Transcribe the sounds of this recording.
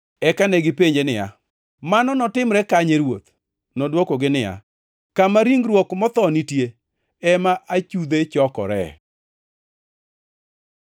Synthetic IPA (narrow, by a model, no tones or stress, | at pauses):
ɛkanɛɡɪpeɲd͡ʒenɪja̰ | manɔnɔtɪmɾɛkaɲeɾwot̪̚ | nɔdwokɔɡɪnɪja̰ | kamaɾiŋɡɾwɔkmɔt̪ɔnitje | ɛmaʔat͡ʃud̪et͡ʃɔkɔ̰ɾɛ̰